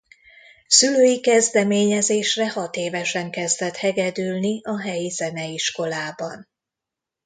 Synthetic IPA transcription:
syløːjikɛzd̪ɛmeːɲɛzeːʃrɛhɒt̪eːvɛʃɛŋkɛzd̪ɛt̪hɛɡɛd̪ylniʔɒɦɛjizɛnɛiʃko̞laːbɒn

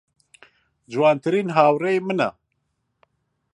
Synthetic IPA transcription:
d͡ʒuwaːnt̪ʰɨɾiːnɦaːwreimɨnɐ̰

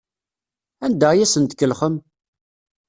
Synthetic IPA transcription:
ænd̪æjæsənt̪əkːəlχəm

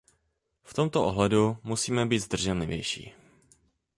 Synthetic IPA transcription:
ft̪omt̪oʔoɦlɛdumusiːmɛbiːt̪zd̪r̩ʒɛnlɪvjɛ̰jʃḭː

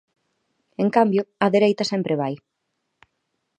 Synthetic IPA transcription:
eŋkambjoɐðeɾejt̪ɐsɛmpɾeβ̞aj

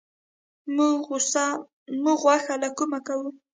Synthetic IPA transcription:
mʊʊsa | mʊɢwaxalakʊmakaw

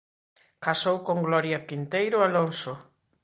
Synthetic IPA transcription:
kasowkoŋɡlɔɾjakint̪ejɾʊalonso

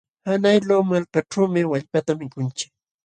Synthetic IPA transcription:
hanajlowmalkaʈ͡ʂawmɪwaʎpat̪amɪkʊnt͡ʃɪ̥k̚

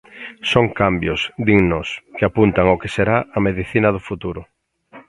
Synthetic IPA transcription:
soŋkambjʊsd̪iŋnoskeapunt̪aŋokeseɾaʔɐmeðiθinɐðʊfut̪uɾʊ

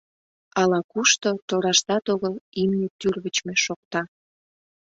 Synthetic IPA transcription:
ɑlɑkuʃt̪ot̪oɾɑʃt̪ɑt̪oɣəlimnʲet̪yrβət͡ɕmeʃok̚t̪ɑ

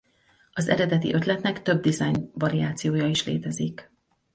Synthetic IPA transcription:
ɒzɛ̰ɾɛd̪ɛt̪ḭʔø̞t̪lɛt̪nɛkt̪ø̞b̚d̪izɒjnvɒɾijaːt̪sijoːjɒiʃlḛːt̪ɛzik

